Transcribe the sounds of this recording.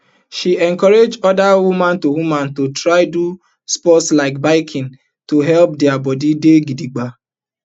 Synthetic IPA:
ʃiɛŋ̩kɔɾed͡ʒɔdawumãntoɦumantutɾaɪdu | spɔtslaɪk̚baɪkʰɪ̃n | tuɦɛlp̚diabɔdideɡidiɡ͡ba

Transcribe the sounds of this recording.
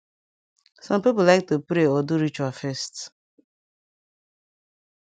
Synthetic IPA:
sʌ̃mpipʊlaɪk̚tupɾeɔduɾit͡ʃafɛst

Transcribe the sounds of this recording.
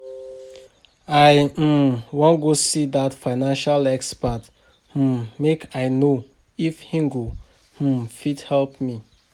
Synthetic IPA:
aɪ | wɔ̃nɡosidatfaɪnãnʃalɛkspat̩ | mekʰaɪno | ifhĩŋɡo | fidhɛlp̚mi

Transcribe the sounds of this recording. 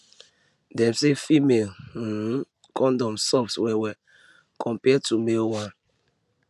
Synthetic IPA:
dɛmsefimel̩ː | kɔ̃ndɔmsɔfswɛwɛ | kʰɔ̃mpɛtumelwãn

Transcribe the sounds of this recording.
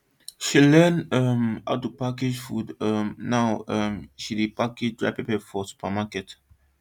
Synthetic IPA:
ʃilɛnɛma̰ʊtːupaked͡ʒfudɛmnaʊɛmʃidipaked͡ʒdɹa̰ɪpepɛfɔsu̥pʰamakɛt

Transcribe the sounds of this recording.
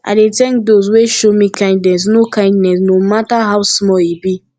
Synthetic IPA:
ʔa̰ɪdetɛ̃ŋk̚dos̬weʃomikʰãɪ̃ndnɛs̬nokãɪ̃ndnɛs̬nomataɦaʊwsmɔibi

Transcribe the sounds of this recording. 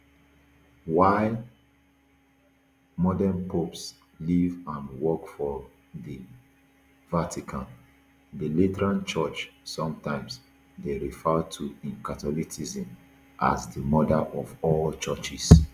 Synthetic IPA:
waɪ | mɔdanpʰops | livãnwɔkfɔ | də | vatʰikʰãn | dəlitɛɹãnt͡ʃɔt͡ʃsɔ̃mtãɪ̃ms | deɹifɛtʰuĩnkatɔliksizĩm | ʔa̰zdəmɔdaʔɔvɔllt͡ʃɔt͡ʃis

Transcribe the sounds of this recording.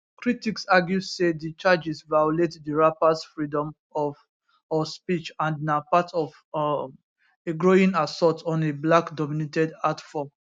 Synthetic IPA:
kɹitiksaɡjusedit͡ʃad͡ʒisvajuletdəɹapasfɹidɔ̃m | ɔv | ɔspit͡ʃãndnapatʰɔv | eɡɹoĩŋasɔtɔ̃neblakdɔminetɛdatfɔ

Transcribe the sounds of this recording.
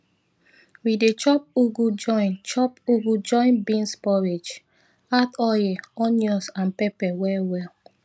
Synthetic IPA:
widet͡ʃɔp̚uɡud͡ʒɔ̃ɪ̃nt͡ʃɔpuɡud͡ʒɔ̃ɪ̃nbĩnspɔɹed͡ʒ | atɔjɛɔnjɔsãnpɛpɛwɛwɛl

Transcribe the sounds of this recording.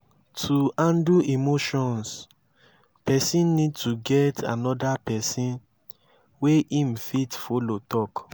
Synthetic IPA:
tʰuãnduimoʃɔ̃ns | pɛsĩnnid̚tʰuɡɛtʰa̰nɔdapɛsĩn | weʔĩmfitfolotɔk

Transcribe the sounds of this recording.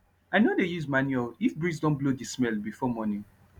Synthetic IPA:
aɪnodejuzmãnuɛlifbɹis̬dɔ̃nblodismɛlbifɔmɔnĩ

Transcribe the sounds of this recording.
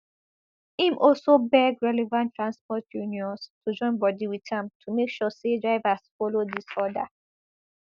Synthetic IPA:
ĩmʔɔlsobɛɡɹɛlɛvãntʰɹãnspɔtʰjuniɔ̃nstʰud͡ʒɔ̃ɪ̃nbɔdiwitʰãmtʰumekʃɔsedɹaɪvasfɔlodisɔda

